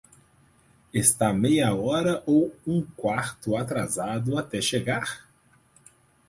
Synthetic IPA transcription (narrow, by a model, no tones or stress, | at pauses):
est̪amejɐɔɾɐʔowũkwaɾt̪ʊat̪ɾazad̪ʊat̪ɛʃeɡaɾ